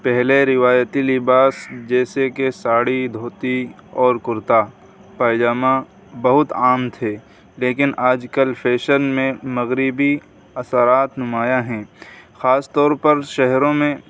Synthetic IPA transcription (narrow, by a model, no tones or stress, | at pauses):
pɛɦleɾɪʋaːjət̪ilɪbaːsd͡ʒɛːsekesaːɽid̪ʱoːt̪iɔːɾkʊɾt̪a | paːjd͡ʒaːmã | bɐɦʊt̪aːmt̪ʰeː | leːkɪnaːd͡ʒkəlpʰeːʃəɾmẽmɐɣɾɪbi | ɐsəɾaːt̪nʊmaːjaɦɛ̃ːxaːst̪ɔːɾpɐɾʃɛɦɾõmẽ